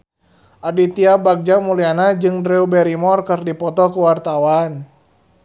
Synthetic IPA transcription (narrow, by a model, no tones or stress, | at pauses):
ʔadit̪iabaɡ̚d͡ʒamulianad͡ʒɨŋdɾɛubɛɾimɔrkɨrdipɔt̪ɔkuwart̪awan